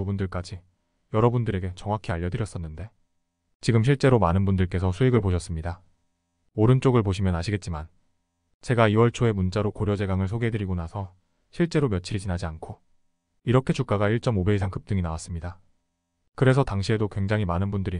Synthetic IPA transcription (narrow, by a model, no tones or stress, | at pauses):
ubundɯɭk͈ad͡ʑi | jʌɾʌbundɯɾe̞ɡe̞t͡ɕʌŋwakʰiaʎːʌdɯɾjʌs͈ʌnːɯnde̞ | t͡ɕiɡɯmɕ̬ʰiɭt͡ɕ͈e̞ɾomanɯnbundɯɭk͈e̞sʰʌsʰueɡɯɭpoɕʰʌs͈ɯmɲida | oɾɯnt͡ɕ͈oɡɯɭpoɕʰimjʌnaɕʰiɡe̞t̚t͡ɕ͈iman | t͡ɕe̞ɡaiwʌɭt͡ɕʰoe̞munt͡ɕ͈aɾokoɾjʌd͡ʑe̞ɡaŋɯɭsʰoɡedɯɾiɡonasʰʌ | ɕʰiɭt͡ɕ͈e̞ɾomjʌt͡ɕʰiɾid͡ʑinad͡ʑiankʰo | iɾʌkʰe̞t͡ɕuk͈aɡaiɭt͡ɕ͈ʌmobe̞isʰaŋk͈ɯp̚t͈ɯŋinawas͈ɯmɲida | kɯɾe̞sʰʌtaŋɕʰie̞dokwe̞ŋd͡ʑaŋɦimanɯnbundɯɾi